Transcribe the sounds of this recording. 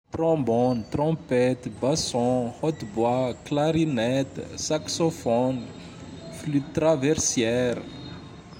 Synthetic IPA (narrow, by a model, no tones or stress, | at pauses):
t̪rɔ̃mbɔnit̪rɔ̃pɛt̪basɔ̃hɔt̪bwaklaɾinɛt̪saksofɔn | flyt̪ːravɛrsjɛɾ